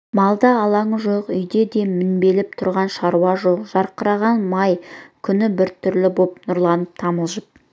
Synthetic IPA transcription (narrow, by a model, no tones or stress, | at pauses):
mɑlˠd̪ɑːlˠɑɴəʒo̞qʏjd̪e̞d̪e̞mɪnbe̞lɪp̚t̪ʰʊɾʁɑnʃɑɾuɑʒoqʒ̥ɑɾqəɾɑʁɑnmɑjkʲʰʏnɪbɪɾt̪ʰʏɾlɪbopnʊɾlˠɑnəp̚t̪ʰɑməlˠʒəp̚